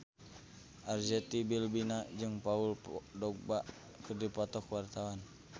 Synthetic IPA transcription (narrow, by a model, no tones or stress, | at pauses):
ʔard͡ʒɛt̪ibilbinad͡ʒɨŋpauldɔk̚baʔ | kərdipɔt̪ɔkwart̪awan